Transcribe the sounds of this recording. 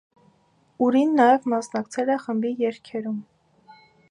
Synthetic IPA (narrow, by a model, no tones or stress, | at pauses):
uɾinːɑjɛvmɑsnɑkt͡sʰɛlɛχəmbijɛɾkʰɛɾum